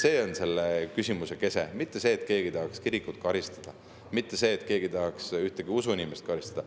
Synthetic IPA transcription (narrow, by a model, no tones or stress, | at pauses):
se̞ːo̞nse̞lːekysimuse̞ke̞se̞̰mit̪ːe̞se̞ːt̪ˑke̞ːɡ̥it̪ɑɦɑkskiɾikut̪̚kɑɾist̪ɑ̥d̪̥ɑ | mit̪ːe̞se̞ːt̪ke̞ːɡ̥it̪ɑɦɑksyht̪eɡ̥iusuinimest̪kɑɾist̪ɑd̪ɑ